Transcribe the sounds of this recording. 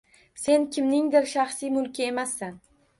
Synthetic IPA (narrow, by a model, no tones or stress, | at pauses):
se̞nkʲʰɪmnɪŋd̪ɪɾʃaχsijmʊlˠkʲʰɪe̞masːan